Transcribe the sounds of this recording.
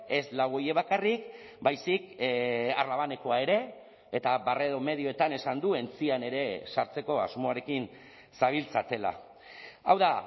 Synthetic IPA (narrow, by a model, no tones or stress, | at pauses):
e̞zlaɣojeβakarik | bajsik | a̰ɾlaβane̞ko̞ae̞ɾe̞ː | t̪aβare̞ðo̞me̞ðio̞e̞t̪ane̞sand̪ue̞nt͡siane̞ɾe̞saɾt͡se̞ko̞azmo̞aɾe̞kin | saβ̞ilt͡sat̪e̞la̰ | awða